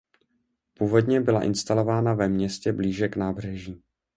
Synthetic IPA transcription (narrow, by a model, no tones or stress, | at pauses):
puːvo̞dɲɛbɪlaʔɪ̰nst̪alo̞vaːnavɛmɲɛscɛbliːʒɛknaːbr̝ɛʒiː